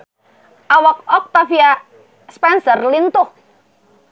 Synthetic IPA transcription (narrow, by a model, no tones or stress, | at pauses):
ʔawɔk̚ɔk̚t̪afia | spɛnsərlint̪o